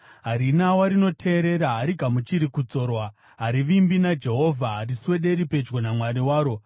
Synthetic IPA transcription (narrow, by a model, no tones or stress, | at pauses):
ɦaɾinawaɾino̞tʰe̞ːɾe̞ɾaɦaɾiɡʱamut͡ʃiɾikut͡so̞ːrwa | ɦaɾiʋimbinad͡ʒe̞ɦo̞vʱaɦːriswe̞ɗe̞ɾipe̞d͡ʒɡonamwaɾiwaːɾo̞